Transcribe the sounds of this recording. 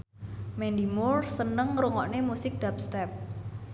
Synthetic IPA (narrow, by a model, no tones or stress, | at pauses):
mɛndimʊrsənəŋruŋɔʔnemusɪk̚d̥ap̚st̪ɛp̚